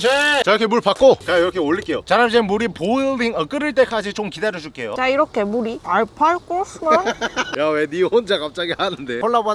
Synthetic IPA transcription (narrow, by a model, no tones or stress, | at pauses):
d͡ʑet͡ɕajokʰemuɭpak͈okaiɾʌkʰeoʎːiɭk͈e̞jo̰t͡ɕaɾamd͡ʑ̬enmuɾipoɯlːiŋʌk͈ɯɾɯɭt͈e̞k͈ad͡ʑit͡ɕomkidaɾjod͡ʑuk͈e̞jo̰t͡ɕaiɾʌkʰe̞muɾiaɭpʰaɭk͈oos͈ɯmjawenihond͡ʑakap̚t͡ɕ͈aɡihanɯnde̞oɭːaba